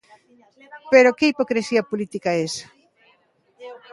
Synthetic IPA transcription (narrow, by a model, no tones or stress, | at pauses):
peɾokeipokɾesiɐpolit̪ikaes